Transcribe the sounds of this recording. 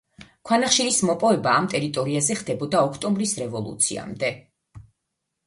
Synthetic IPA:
kʰwanaχʃiɾismɔpʼɔvɛbaːmt̪ʼɛɾit̪ʼɔɾiazɛχd̪̥ɛbɔd̪aɔkʰt̪ʼɔmbɾisɾɛvɔlˠṵt̪sʰḭa̰md̪ɛ

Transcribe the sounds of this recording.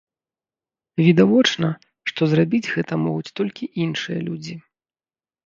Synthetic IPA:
vʲid̪avɔt͡ʂnɐ | ʂt̪ɔzrabʲid͡zʲɣɛt̪ɐmɔɣut͡sʲt̪ɔlʲkʲiʔinʂɨjɐlʲud͡zʲi

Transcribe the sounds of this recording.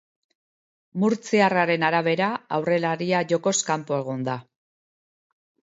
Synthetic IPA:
muɾt͡siaraɾe̞naɾaβ̞e̞ɾaawre̞laɾiaʝo̞ko̞skampo̞e̞ɣ̞ond̪a

